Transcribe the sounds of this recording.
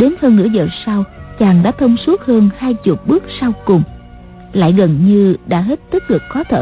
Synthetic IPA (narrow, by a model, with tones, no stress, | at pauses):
ɗe˨˦nhəː˧nŋɨ˧˥əzəː˨˩sa˧wt͡ɕaː˨˩ŋɗa̰ː˧˥t̪ʰə˧wŋ͡msu˦˥k̚həː˧nhaː˧jt͡ɕu˨˩ət̚ɓɨ˦˥k̚sa˧wkʊ˨˩ŋ͡m | la̰ː˧˨jɣə˨˩nɲɨ˧ɗa̰ː˧˥ɦe˦˥t̚t̪i˦˥k̚lɨ˨˩k̚xɔ˨˦t̪ʰə̰ː˧